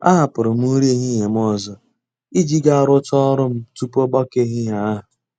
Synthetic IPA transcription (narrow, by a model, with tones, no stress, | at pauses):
a̰˦ɦa˨pʊ˨ɾʊ˨m̩˦u˦ɾe˦ɦi˦ɦe˨m̩˦ɔ˦˨zɔ˨ | i˦d͡ʒi˦ɡa˦˨ɾʊ˦tɔ˦ɾʊ˦m̩˦tu˦pɔ˦bɔ˦ke˦ɦɪ˦ja˨a˦ɦʊ˨